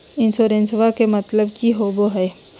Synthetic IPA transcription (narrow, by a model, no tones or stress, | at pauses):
ɪ̃nsoːɾẽnsʋakemɐt̪ləbkiɦoːboɦɛː